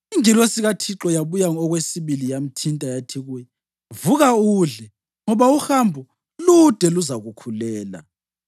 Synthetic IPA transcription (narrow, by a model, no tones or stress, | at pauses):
iŋilwesiɣatʰiǁɔjaβujaŋɔɣwesiβilijam̩tʰintʼajatʰiɣujɛ | vuɣauɮɛ | ŋɔβauhambʱu | lud̥ʱɛluzaɣukʰulɛːla̰